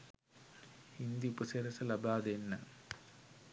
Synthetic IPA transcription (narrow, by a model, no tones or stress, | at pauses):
ind̪ipuseɾɐsɐlɐbaːd̪enːɐ